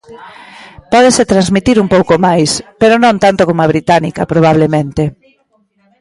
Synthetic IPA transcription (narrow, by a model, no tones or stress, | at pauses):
pɔðeset̪ɾanzmit̪iɾumpowkomajspeɾonõnt̪ant̪okomoaβ̞ɾit̪anikɐpɾoβ̞aβlemẽnt̪e